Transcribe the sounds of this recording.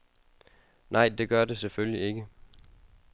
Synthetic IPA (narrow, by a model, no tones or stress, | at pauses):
nʔɑ̈ɪ̰d̥e̝ɡ̥ɶɐde̝seføljie̝ɡ̥ə